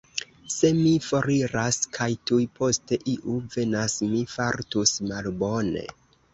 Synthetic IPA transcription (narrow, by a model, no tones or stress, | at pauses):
se̞mifo̞ɾiɾaskʰajtujpʰo̞ste̞ʔiʔuve̞nasmifaɾtusmalbo̞ne̞̰